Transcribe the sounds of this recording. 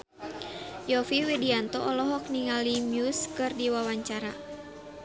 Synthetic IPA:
jɔfiwidiant̪ɔʔɔlɔɦɔk̚niŋalimjuskɨrdiwawaɲt͡ʃaɾa̰

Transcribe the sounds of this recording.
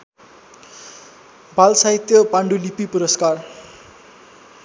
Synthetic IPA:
bʱalsait̪jʌpaɳɖulipipuɾʌskar

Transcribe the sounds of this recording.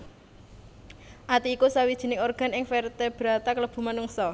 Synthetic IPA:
ʔat̪iːkusawid̥ʒ̥i̤nɪŋorɡ̥a̤nɪŋfɛrt̪ɛb̥ɾat̪akələb̥ṳmanuŋsɔ

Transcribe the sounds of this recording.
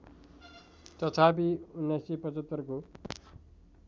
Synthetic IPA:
t̪ʌt̪ʰap̬iunːajsipʌt͡sʌt̪ːʌrko

